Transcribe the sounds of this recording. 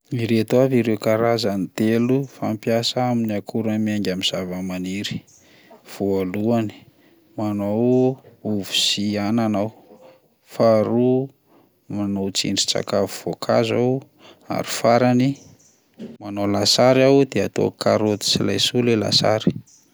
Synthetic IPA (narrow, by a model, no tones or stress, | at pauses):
iɾet̪uaviɾewkaɾazanit̪elufampjasaaminiakʰuɾəmiaŋɡʲamiz̥avəmaniɾi̥ | v̥oaluani̥ | manowuvu̥siananaw | faɾu | manot͡sḭɳɖ͡ʐi̥t͡sa̰kavuv̥okʰazaw | a̰ɾi̥faɾani | manolasaɾawd̪eat̪o̰kaɾot̪i̥silajsulela̰sa̰ɾi̥